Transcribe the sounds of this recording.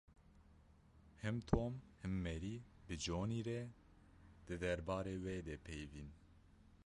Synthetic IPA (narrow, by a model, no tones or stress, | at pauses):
hɨmt̪ʰoːmhɨmːɛɾiːbɨd͡ʒoːniːɾɛ | d̪̥ɨd̪ɛɾbɑːɾeːweːd̪ɛpʰɛjviːn